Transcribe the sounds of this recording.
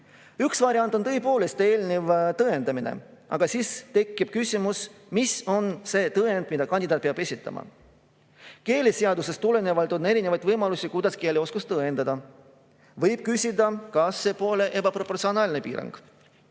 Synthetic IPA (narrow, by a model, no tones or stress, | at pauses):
yksvɑɾjɑnt̪ont̪ɤ̞jpo̞ːlest̪e̞ːlʲnevt̪ɤend̪̥ɑminḛɑ̰ɡ̥ɑsiːst̪e̞kˑːib̥kysʲimus | miso̞nse̞ːt̪ɤend̪mid̪̥ɑkɑnʲd̪id̪ɑːt̪̚peɑb̥e̞sʲit̪ːˑɑ̰mʔɑ̰ | ke̞ːlʲiseɑd̪use̞st̪ule̞ne̞vɑlt̪one̞ɾine̞vɑjd̪vɤjmɑlusʲikujd̪ɑske̞ːlʲeo̞skust̪ɤend̪̥ɑd̪̥ɑ | vɤjb̥̚kysʲid̪ɑkɑsːe̞po̞ːle̞ʔe̞bɑpro̞pːo̞rt̪sio̞nɑːlʲnepḭːɾɑ̰ŋɡ̥